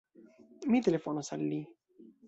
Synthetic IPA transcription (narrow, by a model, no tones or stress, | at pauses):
miːt̪elefonasalːi